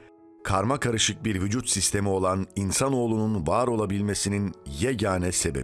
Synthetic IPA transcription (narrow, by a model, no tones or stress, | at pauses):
kʰaɾmakʰaɾɯʃɯk̚biɾvyd͡ʒut̪sist̪ʰe̞mio̞lˠaninsano̞ːlˠununvaːɾo̞lˠabilʲme̞sininjɛɟaːnɛse̞bḛi